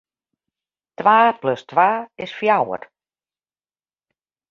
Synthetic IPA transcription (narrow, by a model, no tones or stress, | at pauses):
tvaːpløstvaːɪsfjawə̰r